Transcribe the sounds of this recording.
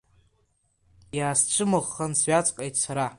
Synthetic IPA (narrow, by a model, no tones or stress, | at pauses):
jaːst͡ʃʷʰɨmɨʁːansɥat͡sʼqʼejtʼʰsaɾa